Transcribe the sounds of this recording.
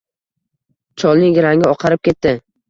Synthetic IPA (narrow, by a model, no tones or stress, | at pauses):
t͡ʃʰɒlˠnɪɡʲɪɾaŋʲɪɒqʰɑɾɪp̚kʲe̞t̪ːɪ